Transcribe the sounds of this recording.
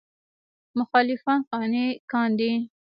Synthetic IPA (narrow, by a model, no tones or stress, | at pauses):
mʊxɑlɪfɑnxɑnekɑnd̪i